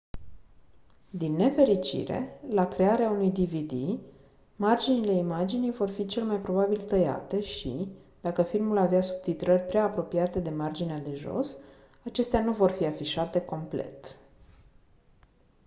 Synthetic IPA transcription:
d̪inːe̞fe̞ɾit͡ʃḭɾe̞̰lakɾe̞aɾeaunujd̪ivid̪i | mard͡ʒinile̞imad͡ʒinijvo̞rfit͡ʃe̞lemajpɾo̞babilt̪əja̰t̪e̞ʃḭd̪̥akəfilmulaveasub̚t̪it̪ɾərʲpɾeaːpɾo̞pijat̪e̞d̪e̞mard͡ʒinead̪e̞ʒo̞̰s | at͡ʃe̞st̪eanuvo̞rfiafiʃat̪e̞ko̞mple̞̰t̪

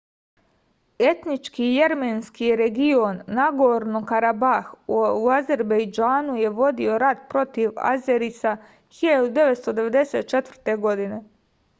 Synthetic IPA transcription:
e̞t̪nit͡ʃkije̞ɾmenskiɾe̞ɡionːaɡoɾnokaɾabaxuaze̞ɾbejd͡ʒaːnuje̞ʋo̞d̪io̞ɾad̪pɾo̞t̪iʋa̰zeɾisa | xiʎad̪ud̪e̞ʋet̪st̪o̞d̪e̞ʋe̞d̪e̞se̞ːt̪̚t͡ʃe̞t̪vr̩t̪e̞ɡo̞d̪ine̞

